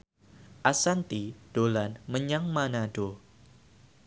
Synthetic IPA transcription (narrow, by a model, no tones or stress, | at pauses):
ʔasant̪id̥olanməɲaŋmanaɖo